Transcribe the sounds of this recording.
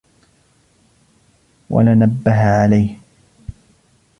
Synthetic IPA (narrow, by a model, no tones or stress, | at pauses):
wa̰lanabːaɦaʕalajh